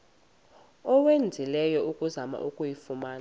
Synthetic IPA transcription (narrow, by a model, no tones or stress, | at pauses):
ɔwend͡zʱilɛjɔukʼuzama̰ʔukʼujifumaːn